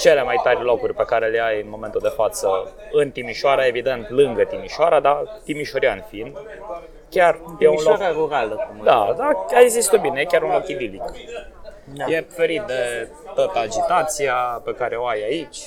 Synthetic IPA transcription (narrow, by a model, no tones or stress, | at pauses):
t͡ʃe̞le̞majt̪aɾʲlo̞kurʲpe̞kaɾe̞leajɨnmo̞me̞nt̪uld̪e̞fat̪səɨnt̪imiʃoaɾae̞vid̪e̞nt̪lɨŋɡət̪imiʃoaɾad̪at̪imiʃo̞ɾiaɨnfin | kʲarjeunloɾaɾuɾaləkumd̪ad̪aaeɡzist̪ut̪̚binejekʲaɾunlo̞kid̪ilik | je̞fe̞ɾit̪̚d̪e̞ | t̪ot̪ad͡ʒit̪at̪siape̞kaɾe̞o̞ajait͡ʃʲ